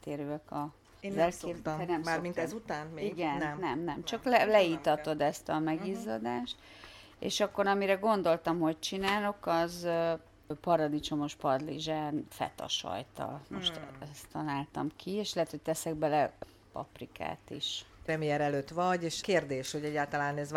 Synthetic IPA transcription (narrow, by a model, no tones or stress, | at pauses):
t̪eːɾyɛkɒ | ɛleɛnɛmaminɛzut̪aːniɡɛnmːɛmnɛmt͡ʃɒklɛlɛit̪ɒt̪o̞d̪ɛst̪ɒmɛɡiːzod̪aːʃt̪ | ḛːʃɒkːo̞ɾɒmiɾɛɡo̞nd̪o̞lt̪ɒmho̞c̚t͡ʃinaːlo̞kɒz | pɒɾɒd̪it͡ʃo̞mo̞ʃpɒd̪liʒaːnfɛ̰t̪ɒ̰ʃɒ̰jt̪ɒ̰lmoʃt̪ɛst̪ɒlaːlt̪ɒmkʰieːʃlɛɦɛt̪ho̞c̚t̪ɛsɛɡ̚bɛlɛ | pɒ̰prika̰ːt̪ḭʃpɾɛmijɛɾɛløːt̪ʋɒɟeːʃkeːrd̪eːʃhoɟɛɟːaːlt̪ɒlaːnɛz